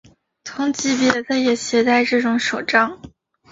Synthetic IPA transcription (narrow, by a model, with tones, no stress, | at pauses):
t̪ʰʊ˧˥ŋt͡ɕi˥pjɛ˥˩t̪ʰa˥˩jɛ˨˩ɕjɛ˧˥t̪a˥˧ɪʈ͡ʂɤ˥˩ʈ͡ʂʊ˧˥ŋʂo˨˩ʊʈ͡ʂɑ˥ŋ